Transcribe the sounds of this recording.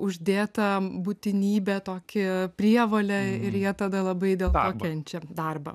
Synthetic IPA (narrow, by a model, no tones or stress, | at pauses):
ʊʒʲd̪ʲeːt̪ɐbut̪ʲɪnʲiːbʲɛt̪oːkʲɪpʲrʲiɛʋoːlʲɛɪɾjiɛt̪ɐd̪ɐlˠɐbɐɪd̪ʲeːlˠk̪oːkʲɛnʲt͡ʃʲɛd̪ɐrbɐ̰